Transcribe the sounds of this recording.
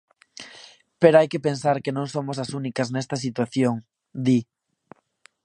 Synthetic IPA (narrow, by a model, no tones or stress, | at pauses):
peɾoajkepensaɾkenõŋsomosɐsunikɐznɛst̪ɐs̬it̪waθjoŋ | d̪i